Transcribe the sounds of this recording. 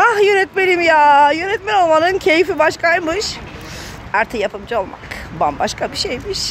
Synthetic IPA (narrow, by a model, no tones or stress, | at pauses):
ahjønɛt̪melimjaːjønɛt̪mɛnolˠmanɯncʰe̞jifibaʃkʰajmɯʃ | aɾt̪ʰɯjapʰɯmd͡ʒolˠmʔa̰kba̰nbaʃkʰabiʃejmiʃ